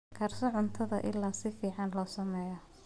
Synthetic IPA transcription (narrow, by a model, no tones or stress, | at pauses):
kʰɐrsɔʕʊnt̪ʰɐðɐ̰ʔɪ̰lːaːsɪfiːʕɑnlɔːsɐmɛːjɐ